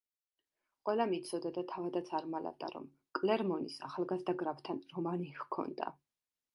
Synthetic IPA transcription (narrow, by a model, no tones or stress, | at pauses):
qʼwɛlˠamit̪sʰɔd̪ad̪at̪ʰavad̪at̪sʰʼaɾmalɛ̰vd̪a̰ɾɔ̰m | kʼlɛɾmɔnisa̰χalˠɡazd̪aɡɾapt̪ʰanɾɔmanikʰɔ̰nd̪a̰